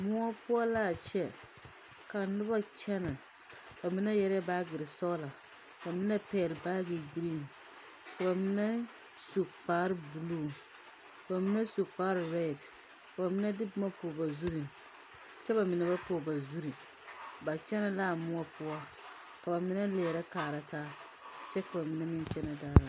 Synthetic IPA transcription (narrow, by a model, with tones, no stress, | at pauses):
mʊ˦a˦pʊ˦ɔ˦laː˦˨t͡ʃɛ˦ | ka˨nʊ˦ba˦t͡ʃɛ˦na˨ | ba˨mɪ˦na˦jɛ˦ɾɪ˦a˦baː˦ɡɪ˨ɾɪ˨sɔ˦la˨ | ka˨mɪ˦na˦pɛː˦˨lba˦ɡɪ˨ɡi˦ɾi˦˨n | ka˨ba˨mɪ˦na˦ | su˨k͡paː˦ɾɪ˦bu˨luː˦˨ | ka˨ba˨mɪ˦na˦su˨k͡paː˦ɾɪ˦ɾɛ˦˨d | ka˨ba˨mɪ˦na˦dɪ˦bʊ˦ma˦poː˨ba˨zu˦ɾi˨ | t͡ʃɛ˦ba˨mɪ˨na˨˦ba˦poː˨ba˨zu˦ɾi˨ | ba˨t͡ʃɛ˦na˨laː˦˨mʊ˦ɔ˦pʊ˦ɔ˦ | ka˨ba˨mɪ˦na˦lɛː˨ɾa˦kaː˨ɾa˦taː˦ | t͡ʃɛ˦ka˨ba˨mɪ˦na˦mɪ˦nt͡ʃɛ˦na˨daː˦la˨